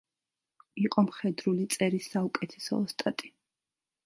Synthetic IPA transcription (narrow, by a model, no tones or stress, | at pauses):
iqʼɔmχɛd̪ɾulit̪sʼɛɾisːaukʼɛt̪ʰɛ̥sɔ̰st̪ʼat̪ʼi̥